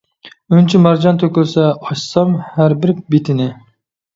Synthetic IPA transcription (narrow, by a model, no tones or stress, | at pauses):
ynt͡ʃʰimɑɾd͡ʒɑnt̪ʰøkʲylˠsɛɑʃsɑmhæɾbɪɾbet̪ʰɪnɪ